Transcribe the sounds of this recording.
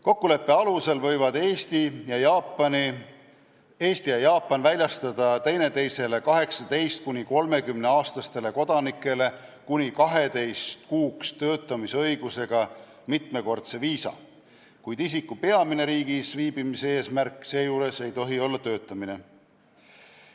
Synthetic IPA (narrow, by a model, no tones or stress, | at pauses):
ko̞kːule̞pːe̞ɑluse̞lvɤ̞jvɑd̪̥eːst̪ijɑjɑpni | e̞ːst̪ijɑjɑːpːˑɑnvælʲjɑst̪ɑd̪̥ɑt̪e̞jne̞t̪e̞jse̞le̞kɑɦe̞ksɑt̪e̞jst̪̚kunʲiko̞lme̞kymne̞ɑːst̪ɑst̪e̞le̞ko̞d̪̥ɑnikːˑe̞le̞ | kunʲikɑɦe̞d̪e̞jst̪kuːkst̪ø̞ːt̪ːˑɑmisɤ̞jɡ̥use̞ɡ̥ɑ | mit̪me̞ko̞rt̪se̞viːsɑ̰ | kujd̪is̬ikːˑupe̞ɑmine̞ɾiːɡisviːb̥imisee̞ːsmærkːˑse̞ːjuːɾe̞se̞jt̪o̞ɦio̞lːɑt̪ø̞ːt̪ːˑɑmine̞